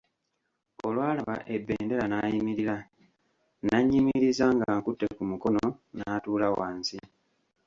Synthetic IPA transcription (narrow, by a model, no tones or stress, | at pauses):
o̞lwaːlaβa̰ʔe̞bːḛːnde̞lanaːjimiɾila | naɲːimiɾizaŋɡaŋkutːe̞kumuko̞nonaːtuːlawaːnsi